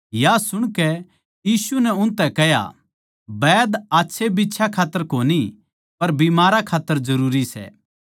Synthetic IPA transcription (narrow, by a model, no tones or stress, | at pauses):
jasʊɽ̃kɛ | jiːsunɛʊ̃nt̪ɛkɛɦja̰ | bɛːd̪aːtːʃʰebitːʃʰakʰaːt̪ːəɾkoːni | pɐɾbimaːɾakʰaːt̪ːəɾzɐɾuːɾisɛ̰ː